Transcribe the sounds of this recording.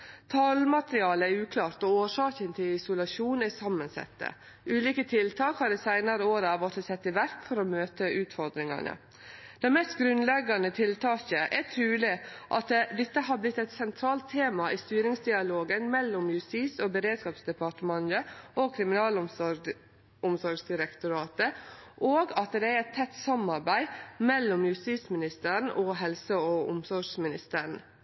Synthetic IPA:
t̪ʰɑlmɑt̪ɾɪɑːləæɾʉːkʰlɑːɾt̪ɔoːʂɑːkənt̪ʰɪlɪsʊlɑʂuːnæsɑmːənsɛ̰t̪ːə̰ | ʔʉːliːkət̪ʰɪlt̪ʰɑːkhɑd̪ɛsæɪnɑɾəoːɾɑʋɔt̪əsɛt̪ːɪʋæɾkfɔɾomøːt̪əʔʉːt̪fɔɾd̪ɾɪŋɑ̰nə̰ | d̪̥ɛɪmɛst̪ɡɾʉnlɛɡɑnət̪ʰɪlt̪ʰɑːkəʔɛtʰɾʉːlɪʔɑt̪d̪ɪt̪ːəɦɑblɪt̪ːɛɪt̪sɛnt̪ʰɾɑːlt̪ʰːeːmɑʔist̪yːɾɪŋsd̪ɪɑloːɡənmɛlːʊmjʉst̪iːsɔbəɾeːd̪skɑːpsd̪ɛpɑʈəmɑnəokʰɾɪmɪnɑːl | ʊmsɔɾɡsd̪ɪɾəkt̪ʊɾɑːt̪əʔoːɡɑt̪d̪ɛæɾɛt̪ʰːɛt̪ːsɑmɑɾbæɪmɛlːʊmjʉst̪iːt̪smɪnɪst̪əɾɳ̩ʔɔɦɛlsəɔʊ̰msɔɾʂmɪnɪst̪əɾɳ̩

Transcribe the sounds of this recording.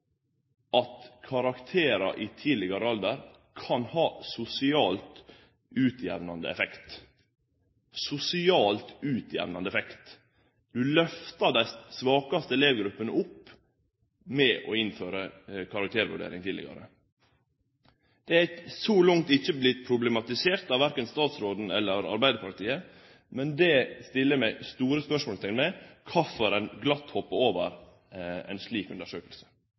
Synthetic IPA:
ɑt̪kʰɑɾɑkt̪ʰeːɾɑ̰ʔɪt̪ʰiːlɪɡɑɾəɑld̪əɾ | kʰɑnhɑːsʊsɪɑːlt̪ | ʉːt̪ʰjæ̰ʋnɑnd̪əɛ̰fɛkt̪ | sʊsɪɑːlt̪ʉːt̪ʰjæ̰ʋnɑnd̪əɛfɛkt̪ | d̪̥ʉlœft̪ɑɖæɪsʋɑːkɑst̪əleːʋəɡɾʉpːənəʊpː | mɛʔɔɪnføːɾəkʰɑɾɑk̚t̪ʰeːɾʋʉ̰ɖḛːɾɪ̰ŋt̪ʰɪːlɪ̰ɡɑ̰ɾə̰ | d̪̥ɛæsɔlʊŋ̚t̪ɪçəblɪt̪pʰɾʊblɛmɑt̪ɪseːɾt̪ɑʋæɾkənst̪ɑːt̪sɾoːd̪n̩ɛ̰lːəɾɑ̰ɾbæɪd̪əpʰɑɾt̪ʰiːə | mɛnd̪ɛst̪ɪlːəmæɪst̪uːɾəspœʂmoːlət̪ʰɛmɛkʰɑfɔɾɛnɡlɑt̪ːhɔpːəɾoːʋəɾ | ɛ̰ɪnʂɭiːkʉnəʂøːkəlsə̥

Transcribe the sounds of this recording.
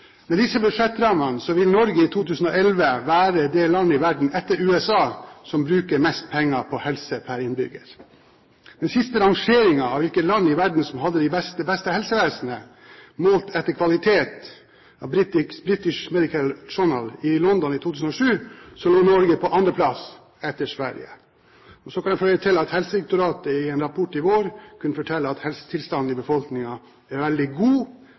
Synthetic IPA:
mɛd̪ɪsːəbʉd̪ʂɛt̪ːɾɑmənəsɔʋɪlnɔɾɡəiːt̪ʰuːt̪ʰʉːsən̩oːɛlʋəʋæːɾəd̪ɛːlɑnːəɪʋæɖɳ̩ʔɛt̪ːəɾʉːɛsɑːsɔmbɾʉːkəɾmɛst̪̚pʰɛŋːɑpʰɔhɛlsəpʰæɾɪnbʏ̰ɡəɾ | d̪ɛnsɪst̪əɾɑŋʂeːɾɪŋɑɑʋɪlkət̪lɑnːɪʋæɖɳ̩sɔmhɑd̪ːəd̪ɪbɛst̪əbɛst̪əhɛlsəʋeːsnə | muːlt̪ʰɛt̪ːəɾkʰʋɑlɪt̪ʰeːt̪ | ɑʋbɾɪt̪ɪbɾɪt̪ɪʂmɛd̪ɪkʰəlʂɔɳə̰lɪlɔnd̪ɔnɪt̪ʰuːt̪ʉːsən̩ɔʂʉːsɔloːnɔɾɡəpʰɔʔɑnd̪ɾəpʰlɑs | ɛt̪ːəʂʋæ̰ɾjə̰ | ɔsɔkʰɑnɛfœlət̪ʰɪlɑt̪hɛlsəɛk̚t̪ʊɾɑːt̪əɪɛːnɾɑpʰɔʈːɪʋoːɾkʰʉnːəfɔʈʰɛlːəɑt̪hɛlsə̥t̪ʰɪlst̪ɑn̩ɪbəfɔlknɪŋɑ | æɾʋɛld̪ɪɡuː

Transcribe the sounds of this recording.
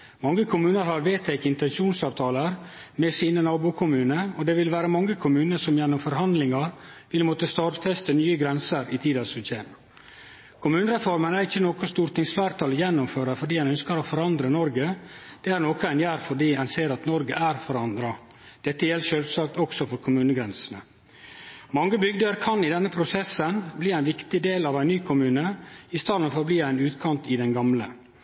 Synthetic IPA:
mɑŋːəkʰʊmʉːnəɾhɑɾʋeːt̪ʰːɛkɪnt̪ɛnʂuːnsɑːʋt̪ʰɑːləɾmɛsiːnənɑːbuːkʰʊmʉːnəɔd̪ɛʋɪlʋæːɾəmɑŋːəkʰʊmʉːnəsɔmjɛnːʊmfɔɾɦɑnd̪lɪŋɑɾʋɪlmɔt̪əst̪ɑːɾt̪fɛst̪ənyːəɡɾɛnsəɾit̪ʰiːd̪ɑsʉseː | kʰʊmʉːnəɾɛfɔɾmənæɾɪçːənɔkɔst̪uːɾʈt̪ɪŋsflæːɾt̪ʰɑːljɛnːʊmføːɾəfɔɖiːhɛnœnskəɾɔfɔɾɑnd̪ɾənɔɾɡəd̪̥ɛːæɾnoːkɔæɪnjæːɾfɔɖiːænseːɾɑt̪nɔɾɡəʔæɾfɔɾɑnd̪ɾɑ | d̪̥ɛt̪ːəjɛlʃøːlsɑːk̚t̪ɔksɔfɔɾkʰʊmʉːnəɡɾɛnsənə | mɑŋːəbʏɡd̪əɾkʰɑnɪd̪ɛnːəpʰɾʊsɛsənbliːæɪnʋɪkt̪ɪd̪eːlɑːʋæɪnyːkʰʊmʉːnəɪst̪ɑːd̪n̩fɔɾbliːæɪnʉːt̪kʰɑnt̪ɪd̪ɛnɡɑmlə

